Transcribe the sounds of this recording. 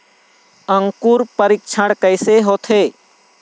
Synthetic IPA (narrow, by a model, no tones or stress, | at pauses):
əŋkuɾpəɾɪk̚t͡ʃʰəɽkəɪseɦoːt̪ʰeː